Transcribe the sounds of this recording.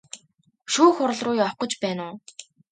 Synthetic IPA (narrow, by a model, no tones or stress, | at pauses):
ʃuːxʊɾ̆ɮrʊːjɔχqɞ̆t͡ɕpæːnʊː